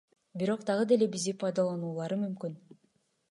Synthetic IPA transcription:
biɾo̞qd̪ɑʁɯd̪e̞le̞bizd̪ipʰɑjd̪ɑlˠɑnuːlˠɑɾɯmymkyn

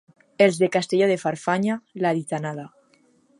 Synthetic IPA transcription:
elzðekast̪eʎoð̞efaɾfaɲalaðit̪anaða

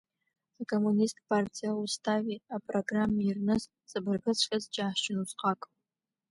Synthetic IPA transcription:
akʰomunistʰʼpʰartʰijaustʰaviapʼroɡramirnɨs | z̥ɨbɨrɡɨt͡sʷʰʼxʲʼazd͡ʒʼaːħt͡ʃɪnuzqɑkʼ

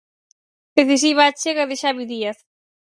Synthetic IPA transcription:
d̪eθis̬iβaːt͡ʃeɣɐðɪʃaβiðiaθ

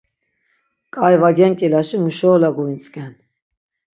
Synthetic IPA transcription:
kʼajvaɡɛŋkʼilaʃimuʃɔːlaɡuint͡sʼkʼɛn

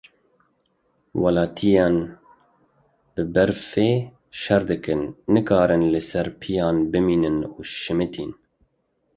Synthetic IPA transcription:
wɑlɑːt̪ʰijɑːn | b̥ɨbɛɾfeː | ʃɛɾd̪ɨkɨnːɨkʰɑːɾɨnlɨsɛɾpʰijɑːnbɨmiːnɨnuːʃɪmɨt̪ʰiːn

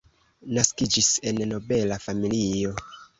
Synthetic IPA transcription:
naskid͡ʒise̞nno̞be̞lafamilio̞

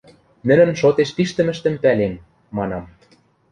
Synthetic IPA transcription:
nɘ̆nɘ̆nʃot̪eʃpiʃt̪ə̆mɘ̆ʃt̪ə̆mpælemː | ɑnɑm

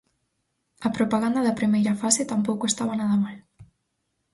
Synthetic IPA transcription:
ɐpɾopaɣand̪ɐðɐpɾimejɾɐfaset̪ampowkoest̪aβanaðɐmal

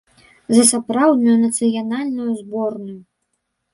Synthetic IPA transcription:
zɐsapɾawd̪nujunɐt̪sɨjanalʲnujuzbɔrnuju

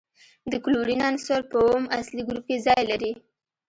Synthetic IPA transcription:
d̪əkluɾinansoɾpəomasliɡɾup̚kezɑjlaɾi

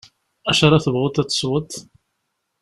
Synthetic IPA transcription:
æʃɑɾˤɑθəvʁʊt̪ːæt͡sːə̥swət̪

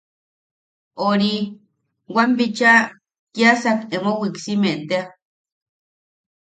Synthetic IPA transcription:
oɾi | wambit͡ʃa | kjasakemowiksimeʔt̪ea

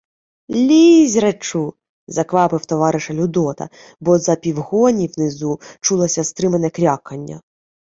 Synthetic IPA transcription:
lʲizʲɾet͡ʃu | zɐkʋɑpɪwt̪ɔʋɑɾɪʃɐlʲʊd̪ɔt̪ɐ̰ | bɔzɐpʲiwɦɔnʲiwnɪzut͡ʃulˠɐsʲɐst̪ɾɪmenɛkɾʲɑkɐnʲːɐ̰

